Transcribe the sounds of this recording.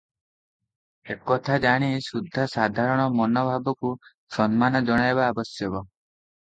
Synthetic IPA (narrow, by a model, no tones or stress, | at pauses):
ekɔt̪ʰad͡ʒaɽ̃isud̪ʱːasad̪ʱaɾɔɽ̃ɔmɔnɔbʱabɔku | sɔnmanɔd͡ʒɔɽ̃ajbaːbɔsjɔbɔ